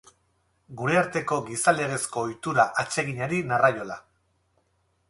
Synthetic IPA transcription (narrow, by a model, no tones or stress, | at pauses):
ɡuɾe̞aɾt̪e̞ko̞ɡisale̞ɣe̞sko̞ːjt̪uɾaʔat͡ʃe̞ɣ̞iɲaɾinarajo̞la